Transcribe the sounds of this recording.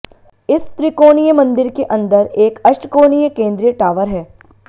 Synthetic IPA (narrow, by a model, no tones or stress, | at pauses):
ɪst̪ɾikoːnijəmɐ̃nd̪ɪɾkeʔɐ̃nd̪əɾeːkɐʃʈkoːnijəkẽːnd̪ɾijəʈaːʋəɾɦɛː